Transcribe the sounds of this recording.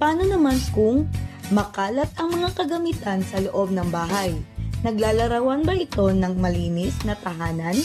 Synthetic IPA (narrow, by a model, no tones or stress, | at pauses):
paːno̞nɐmankʊŋmɐkaːlɐt̪̚ɐŋmɐŋakɐɡɐmiːt̪ɐnsɐloʔo̞b̚nɐŋbaːɦɐjnɐɡlaːlɐɾɐwɐnbɐʔɪt̪o̞nɐŋmɐliːnɪsnɐt̪ɐhaːnɐn